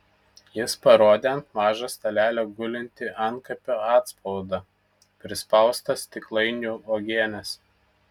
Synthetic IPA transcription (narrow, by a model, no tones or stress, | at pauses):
jɪspɐɾoːd̪ʲeɐnt̪mɑːʒɐst̪ɐlʲæːlʲoːɡʊlʲɪnʲt̪ʲɪʔɐnkɐpʲoːɑːt̪spɔʊd̪ɑ | pʲɾʲɪspɐˑʊst̪ɐst̪ʲɪklˠɐɪnʲuːoːɡʲeːnʲɛs